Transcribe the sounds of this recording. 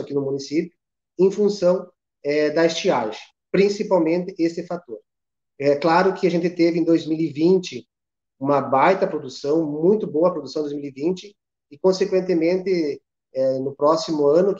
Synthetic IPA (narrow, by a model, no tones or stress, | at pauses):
akinʊmũnisipjʊ | ẽj̃fũsɐ̃w̃ | ɛd̪ɐɪst͡ʃiaʒɪ̃ | pɾĩsipawmẽnt̪ɪʔesɪfat̪oɾ | ɛklaɾʊkʰɪaʒẽnt̪ɪt̪evɪẽd̪ojzmilivĩnt͡ʃɪ | ũmɐbajt̪ɐpɾod̪usɐ̃w̃mũj̃t̪ʊboɐpɾod̪usɐ̃d̪ojzmilivĩnt͡ʃɪ | ɪkõsekwẽnt̪ɪmẽnt̪ɪ | ɛnʊpɾɔsimʊɐ̃nʊk